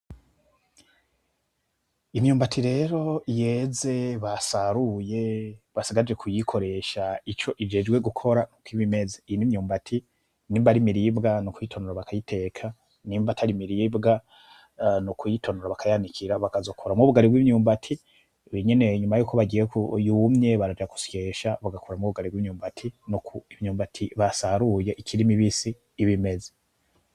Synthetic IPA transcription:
imɲuːmbatʰiɾe̞ɾo̞je̞ze̞βasaɾuje̞βasiɡaɾid͡ʒe̞kʰujikʰo̞ɾe̞ʃait͡ʃo̞ʔivd͡ʒe̞d͡ʒɡwe̞ɡukʰo̞ɾanukwiβime̞zeiinimɲuːmbatʰi | niːmbaɾimiɾibɡanukujitʰo̞noɾaβakajitʰe̞ːkʰa | niːmbatʰaɾimiɾiːbɡa | nukʰujitʰo̞noɾaβakʰajanikʰiɾaβakazokʰoɾamŋuβuɡaɾibwiːmɲuːmbatʰi | weɲe̞ne̞ɲumajuːko̞βaɟijekujumɲe̞βaɾad͡ʒaku̥sjeʃaβaɡakʰoɾamŋuβuɡaɾibwiːmɲuːmbatʰinukuivɲuːmbatʰiβasaɾuje̞ʔikiɾimiβisiː | βime̞ze̥

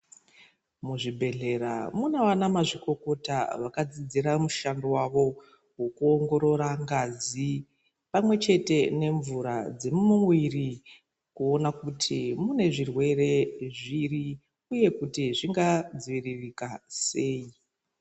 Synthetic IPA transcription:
muʐibʱe̞ɮe̞ɾamunawanamaʐiko̞ko̞taʋakad͡zid͡ziɾamuʃandowaʋo̞ | ɦokuo̞ŋɡo̞ɾo̞ɾaŋɡazi | pamwe̞t͡ʃe̞te̞ne̞ɱvuɾad͡ze̞mumumwiri | kuo̞nakutʰimune̞ʐirwe̞re̞ʐiri | uje̞kutiʐiŋɡad͡ziʋiririkase̞ːi

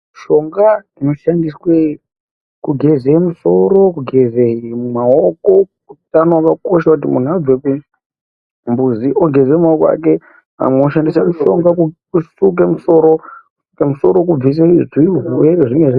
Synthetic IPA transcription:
ʃo̞ŋɡa | ino̞ʃandiswe | kuɡʱe̞zeimuso̞ɾo̞kuɡʱezeimumaoko̞ | utanowakakoʃakut̬imun̤uad͡zweku | mbuziʔoɡʱe̞zemaokoa̰ke | ɦa̰mweooʃandisemuʃo̞ŋɡakukusuk̬emuso̞ɾoku̥su̥kemuso̞ɾo̞kub͡vis̬ezwiuɦwereʐiŋɡeʐi

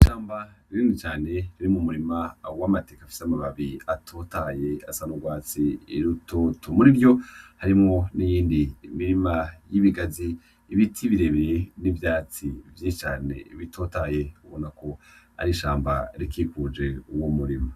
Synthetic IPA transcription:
iʃaːmbaɾiɾiːndit͡ʃaːne̞ɾiɾimumuɾimawamate̞ːkafi̥samaβaβiatʰoːtaje̞asanoɡwaːt͡siiɾutotʰomuɾiɾjo̞haɾimŋo̞nijiːndiːmiɾimajiβiɡaziː | βitʰiβiɾeβiɾenivjaːt͡sivjit͡ʃaːne̞̰iβitʰoːtaje̞uβonako̞ | a̰ɾiʃaːmba̰ɾikikud͡ʒe̞uwomuɾima

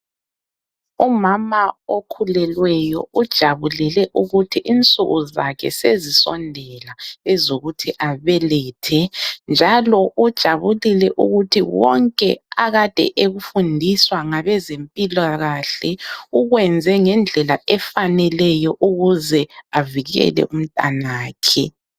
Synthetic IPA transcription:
umamaokʰulɛlwɛjɔ̰ud̥ʒ̥ʱaβulɛlɛʔuɣutʰiʔint͡sʼuɣuzakʰɛ̰sezisɔ̰ndʱɛlaɛzoɣutʰiʔaβɛlɛːtʰɛnd͡ʒʱalɔʔud̥ʒ̥ʱaβulilɛʔuɣutʰiwɔŋkʼɛ̰aɣad̥ʱɛ̰ʔeɣufundʱiswaŋaβɛzempʼilaɣaɬɛuɣwɛnd͡zʱɛŋɛnd͡ɮʱɛlaɛfanɛlɛjɔʔuɣuzɛaviɣɛ̰lɛ̰ʔum̩tʼa̰naːkʰɛ

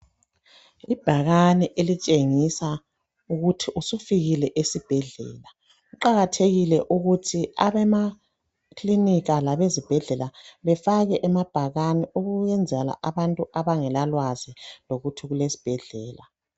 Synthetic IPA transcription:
ib̥ʱaɣanɛʔelit͡ʃʼeŋisa | uɣutʰiʔusufiɣilɛʔesib̥ʱɛɮɛ̰ːla | uǃaɣatʰeɣilɛʔuɣutʰiaβɛma | kʰliniɣalaβezib̥ʱɛɮɛlaβɛfaɣɛʔɛmab̥ʱaɣaniuɣujɛnd͡zʱɛla̰ʔaβantʼuʔaβaŋɛlalwaziloɣutʰiɣulesi̥b̥ʱɛɮɛːla

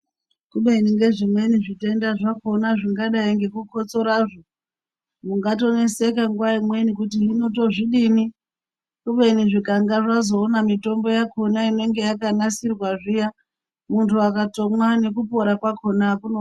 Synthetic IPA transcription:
kuɓeiniŋɡe̞ʐimwe̞niʐite̞ndaʐako̞naʐiŋɡaɗaiŋɡe̞kuko̞t͡so̞ɾaʐo | muŋɡato̞ne̞se̞kaŋɡuwaimwenikutiːno̞t̬o̞ʐiɗini | kuɓe̞niʐikaŋɡaʐazo̞ːnamito̞mbo̞jakʰo̞naine̞ŋɡe̞jakanasirwaʐija | muntʰuakato̞mwane̞kupo̞ɾakwakʰo̞nakuno

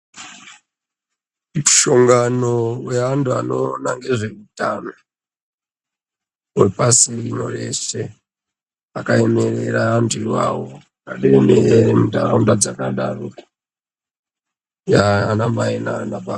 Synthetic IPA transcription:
muʃo̞ŋɡanoweantʰuano̞naŋɡe̞ʐeutano | wepasirino̰re̞se̞ | akaemereɾaandiwawo | kaɗeemeeɾemudaraundad͡zakaɗarua | jaanamaenanaba

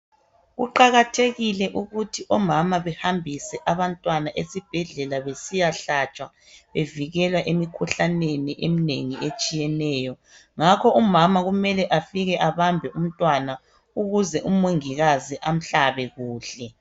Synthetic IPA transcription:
ɣṵǃaɣatʰeɣilɛʔuɣutʰiʔɔmamaβɛhambʱisɛʔaβantʼwanaʔesib̥ʱɛɮɛlaβesijaɬat͡ʃʼwa | βeviɣɛlwaʔemikʰuɬaneniʔeminḛŋiet͡ʃʼijɛnɛːjɔ | ŋakʰɔumamaɣumɛlɛʔafiɣɛʔaβambʱɛum̩tʼwana | uɣuzɛʔumoŋiɣaziʔam̩ɬaβɛɣuːɬɛ

